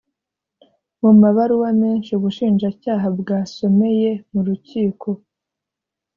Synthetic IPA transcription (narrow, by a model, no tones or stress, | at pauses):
mumaβaɾuwameːnʃiuβuʃiːnʒacaːɦabɡaːso̞me̞je̞muɾuciːkʰo̞